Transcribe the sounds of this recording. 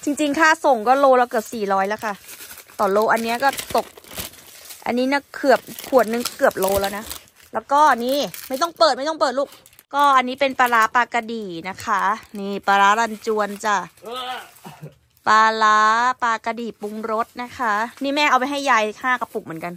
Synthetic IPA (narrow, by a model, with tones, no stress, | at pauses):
t͡ɕi˧ŋt͡ɕi˧ŋkʰaː˥˩so˨˩ŋkɔː˥˩loː˧lɛː˧˩kɯ˨˩p̚siː˨˩ɾɔː˦˥jlɛː˦˥wkʰa˥˩t̪ɔː˨˩nloː˧ʔa˧nːi˦˥ɐkɔː˥˩t̪o˨˩k̚ | ʔa̰˧nːiː˦˥na˦˥˩kʰɯ˨˩əp̚kʰu˨˩ət̪̚nɯ˧ŋkɔː˥˩kɯ˨˩əp̚loː˧lɛː˦˩wna˦˥ | lɛː˦˥wkɔː˥˩niː˥˩ma˥˩jt̪ɔ˥˩ŋpɤː˨˩t̚ma˥˩jt̪ɔ˥˩pɤː˨˩t̪̚luː˥˩k̚ | kɔː˥˩ʔa˧nːiː˦˥pe˧npaː˧laː˦˥paː˧ka˧diː˨˩na˦˥kʰa˦˥niː˧˥˩paː˧laː˦˥la˧nt͡ɕu˧ənt͡ɕa˨˩ | paː˧laː˦˥paː˧ka˧diː˨˩pu˧ŋɾo˦˥t̪̚na˦˥kʰa˦˥niː˥˩mɛː˥˩ʔa˧wpa˧jɦa˥˩jːaː˧jkʰaː˥˩ka˧˩pu˨˩m˩˦nka˧n